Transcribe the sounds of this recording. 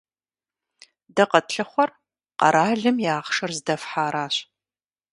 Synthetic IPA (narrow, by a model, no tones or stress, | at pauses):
dɐqɐtɬɨχʷɔr | qɐ̰ɾaːɮɨmjaːʁʂɐrzdɐfħaːɾaːɕ